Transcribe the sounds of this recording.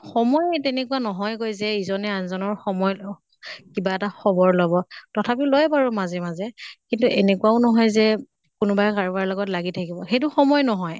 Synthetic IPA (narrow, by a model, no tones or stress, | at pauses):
xɔmɔjtenɛkuanɔɦɔjkojzɛizɔnɛanzɔnɔɹxɔmɔj | kibaɛtaxɔbɔɹlɔbɔtɔtʰapilojpaɹumazɛmazɛkintuʔenɛkwaʊnɔɦɔjzɛ | kʊnʊbajkaɹubaɹlɔɡɔtlaɡitʰakibɔxejt̬ʊxɔmɔjnɔɦɔj